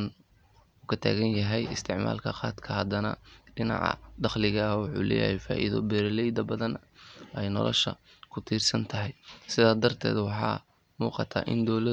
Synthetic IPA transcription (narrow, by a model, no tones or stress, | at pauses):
n | uːkʰɐt̪ʰa̰ːɣɐnjɐɦɛjɪst̪ʰɪʕma̰ːlkʰɐqɑːd̪kʰɐɦɐd̪ɐnɐ̰ɖɪnɑ̰ʕɑ̰d̪ɑχlɪɣɐwʊħuːlɛ̰ːjɐ̰hɛjfaːʔiðɔbɛɾlɛjd̪ɐbɐðɐnɛjnɔ̰lɔ̰ʃɐ̰ | kʰʊt̪ʰiːrsɐnt̪ʰɐɦɛjsɪðaːd̪ɐrt̪ʰɛ̰ːd̪wɑħɑ̰ː | muːqɑt̪ʰaːʔɪnd̪ɔlɐ